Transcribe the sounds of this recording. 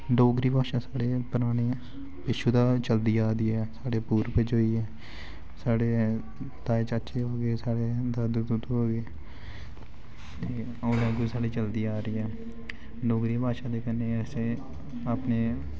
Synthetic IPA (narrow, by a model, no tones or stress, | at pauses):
ɖoːɡɾiːbʱaːʃaːsaːɽeːpəɾaːñeː | pɪʃud̪aːt͡ʃəld̪iːaːd̪iːɦɛːsaːɽeːpuːɾped͡ʒoːiːɦɛː | saːɽeː | t̪aːet͡ʃətːʃʰeːɦoːɡeːsaːɽeːd̪əd̪d̪ʊd̪ɦoːɡeː | t̪eː | oːlɛ̃ːɡusaːɽiːt͡ʃəld̪iːaːɾəiːɦɛː | ɖoːɡɾiːbʱaːʃaːd̪eːkəneːɛːseː | əpneː